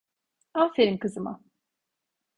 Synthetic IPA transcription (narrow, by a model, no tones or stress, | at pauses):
afeɾimkɯzɯma̰